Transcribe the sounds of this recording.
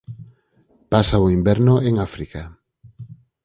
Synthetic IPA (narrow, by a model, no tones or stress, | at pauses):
pasaʊimbɛɾnoʔeŋafɾika